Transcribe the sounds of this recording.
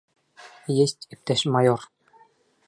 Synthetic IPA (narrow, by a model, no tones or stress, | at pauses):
jesʲt̪ʲɘ̆p̚t̪æʃmɑjor